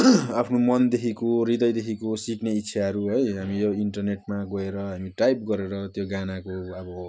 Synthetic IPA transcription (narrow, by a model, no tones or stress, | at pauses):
apʰnomʌnd̪ekʰikorid̪ʌjd̪ekʰikosikneitːsʰjaɦʌɾuɦʌjɦamijoiɳʈʌrneʈmaɡʌeɾʌɦamiʈajp̚ɡʌɾeɾʌt̪joɡanakoʌbʌ